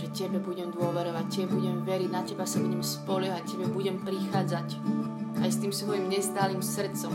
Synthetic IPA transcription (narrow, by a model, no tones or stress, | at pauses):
ʒɛcɛbɛbuɟɛmd̪ʊɔʋɛɾɔʋac̚cːɛɛbuɟɛmʋɛɾiɟnacɛbasabuɟɛmspɔlɛɦacɛbɛbuɟɛmpɾixaːd͡zac | ajst̪iːmsʋɔjimɲɛst̪aːliːmsr̩t̪t͡sɔm